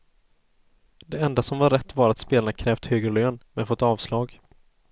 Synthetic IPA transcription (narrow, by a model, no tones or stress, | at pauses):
d̪ɛɛnd̪asɔmvaɾɛt̪ːvaɾat̪speːlaɳakʰɾɛːft̪høːɡɾløːnmɛnfɔt̪ːɑːvslɑːɡ